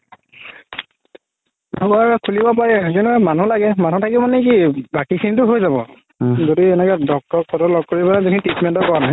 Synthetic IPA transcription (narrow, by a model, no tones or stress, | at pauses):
ɔkɔaɹkʰulibɔp̬aɹɛkinumanũlaɡɛmanɦũtʰakibmanɛkibakikʰinit̬ʊɦojzabɔ̰ | zodiɛnɛkɛdɔk̚tɔkʰɔtɔlɔɡ̚koɹibanazinititmɛntɔkɔɹanaɦɛ